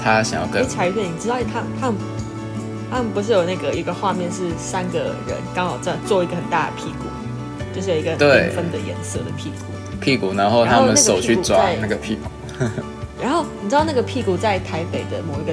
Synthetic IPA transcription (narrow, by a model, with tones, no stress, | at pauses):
t̪ʰa˦ɕɑ̰˨ŋjɑ˥˧ʊkə˥˩t͡sʰa˧˥ɪ˧t̪ʰɛ˥˩ni˨˩ʈ͡ʂɻ̩˥d̪ɑ˥˧ʊ˩t̪ʰa˥ə˨t̪ʰa˥mə˨ | t̪ʰa˥mə˨npu˧˥ʂ̬ɻ̩˥˩jo˨˩ʊna˥˩ɡə˩i˧˥ɡə˨xwa˥˧mjɛ˥˧nʂ̬ɻ̩˥˩sa˦˥nɡə̰˨ɻə̰˧˦nkɑ˥ŋxɑ˨˩ʊʈ͡ʂ̩˥˧t͡swɔ˥˩i˧˥ɡə˨˩xə˨˩nt̪a̰˥˩d̪ə̰˩pʰi˥˩kṵ˨˩˦ | t͡ɕjo˥˧ʊʂɻ̩˥˩jo˨˩˨i˧ɡə˨t̪we˥˩ɪ˩fə˦nd̪ə˨jɛ̰˧˥nsɤ̰˥˩d̪ə̰˩pʰi˥˩kṵ˨˩˦pʰi˥˩ku˨˩na˧˦nxo˥˧ʊ˨˦t̪ʰa˥m˧mə˨na˥ʂo˨˩ʊt͡ɕʰy˥˩t͡swa˦˥˦na˥˩ɡə˩pʰi˥˩ku˨˩ | ɻa˧˥nxo˥˩ʊni˨˩ɻ̩˥ɑ˥˧na˥˩ɡə˩pʰi˥˩ku˨˩t͡sa˥˩ɪt̪ʰa˧˥ɪpe˨˩ɪd̪ə˦mo˨˩ʊi˧˥ɡə˧